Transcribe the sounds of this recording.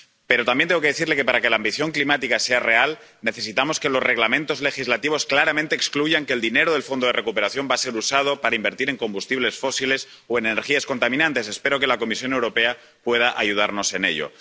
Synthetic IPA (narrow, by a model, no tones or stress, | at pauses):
pe̞ɾo̞t̪ambjend̪eokeeθiɾle̞ke̞paɾake̞laːmbiθjo̞ŋklimat̪ikase̞are̞al | ne̞θe̞sit̪amo̞ske̞lo̞zre̞ɣlamẽnt̪o̞zle̞xizlat̪iβ̞o̞sklaɾamẽnt̪eːkskluʝaŋkeːld̪ine̞ɾoðe̞lfond̪oere̞kupeɾaθjo̞mbase̞ɾusað̞opaɾaimbe̞ɾt̪iɾe̞ŋko̞mbust̪iβle̞sfo̞siles | oe̞neneɾxiasko̞nt̪amĩnãnt̪e̞se̞spe̞ɾoke̞lako̞misjo̞newɾo̞pe̞a | pwe̞ð̞aʔajuð̞a̰ɾno̞se̞ne̞̰ʎo̰